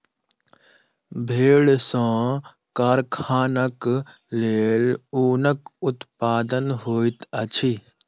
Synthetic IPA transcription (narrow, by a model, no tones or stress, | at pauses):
bʱeːɽsõː | kaːɾkʰaːnək | leːluːnəkʊt̪paːd̪ənɦoːit̪ət͡ʃʰi